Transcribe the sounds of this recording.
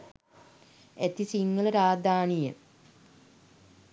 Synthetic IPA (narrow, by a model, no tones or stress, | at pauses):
et̪isiŋɡələɾaːd̪aːnijə